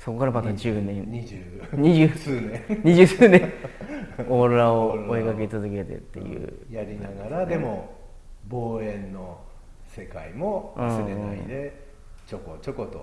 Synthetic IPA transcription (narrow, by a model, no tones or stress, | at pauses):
so̞ko̞kaɾamat̪ad͡ʑɨːnẽ̞ɲid͡ʑɨ | ɲiʑɨːsɨːnẽɲiʑɨːsɨːnẽ | oɾoɾaooekake̞t͡sɨzɨke̞t̪e̞̰t̪ːe̞̰jɯ̰ːjaɾʲinaɡaɾad̪e̞mo | boːẽ̞nːo | se̞kaimoɯ̃seɯ̃id̪e̞ | t͡ɕokot͡ɕokot̪o̰